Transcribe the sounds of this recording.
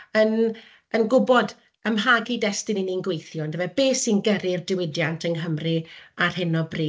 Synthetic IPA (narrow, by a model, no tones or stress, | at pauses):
ən | ənɡʊbɔd | əmɦaɡidɛstɪnininɡwejθjɔndəvɛb̥eːsinɡəɾɪrdɪwɪdjantʰənɦəmrɨar̥hɪnɔbriː